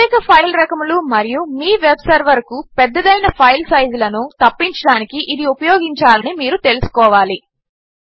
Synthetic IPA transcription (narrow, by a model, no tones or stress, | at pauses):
ɛːkɐpʰɐjlɾɐkɐmulumɐɾijumiːʋebsɐɾʋɐɾkupɛd̪ːɐd̪ɐjnɐpʰɐjlsɐjzulɐnut̪ɐpːiɲt͡ʃɐɽaːnikiʔid̪iupɐjɔːɡiɲt͡ʃaːlɐnimiːɾut̪e̞lusu̥kɔːʋaːli